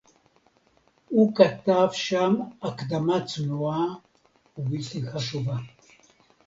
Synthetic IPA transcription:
ukʼatːafʃamakʰd̪amat͡sʰʼnua | uviɬixaʃuva

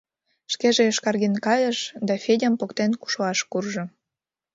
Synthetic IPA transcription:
ʃkeʒeeʃkɑrɣinkɑjəʃd̪ɑfʲedʲəmpokt̪enku̥ʃoɑʃkurʒŏ

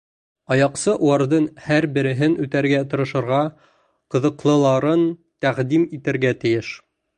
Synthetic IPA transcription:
ɑjɑqsɤʔuwɑɾðɤnhæɾbɘ̆ɾɘ̆ɦɘnʉt̪æɾɡæt̪ŏɾɤ̆ʃɤ̆ɾʁɑ | qɤ̆ðɤ̆qlˠɤ̆lˠɑɾɤnt̪æʁd̪imit̪ɘ̆ɾɡæt̪ɘ̆jɘʃ

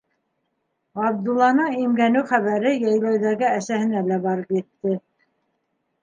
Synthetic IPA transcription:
ɑb̚d̪ulˠːɑnɤɴimɡænɘwχæβæɾɘjɑjlˠɑjðæɡɘæsæhɘ̆nælæbɑɾɤpjɘ̆t̪ːɘ

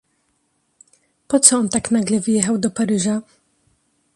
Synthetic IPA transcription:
pɔt̪sɔɔnt̪aknaɡlɛvɘjɛxawd̪ɔpaɾɘʐa

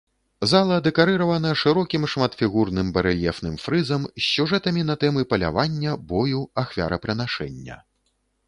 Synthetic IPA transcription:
zalˠɐd̪ɛkaɾɨɾɐvɐnɐʂɨɾɔkʲimʂmat̪fʲiɣurnɨmbɐɾɨlʲɛfnɨmfɾɨzɐmsʲːuʐɛt̪ɐmʲin̪ɐt̪ɛmɨpɐlʲa̰vanʲːɐbɔjuaxvʲa̰ɾɐpɾɨnaʂɛ̰nʲːɐ̰

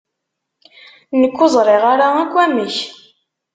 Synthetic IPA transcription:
nəkːʊzˤɾˤɪʁaɾaækʷːæməç

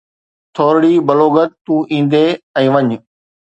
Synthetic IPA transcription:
t̪ʰoːɾɽiːbɐloːɡət̪̚t̪ːũːʔĩːnd̪eːɛ̃ːʋɐɲʊ

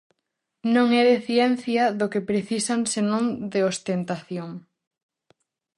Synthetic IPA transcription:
nõŋɛðeθjɛnθjɐðʊkɪpɾeθisaŋsenõŋd̪eost̪ent̪aθjoŋ

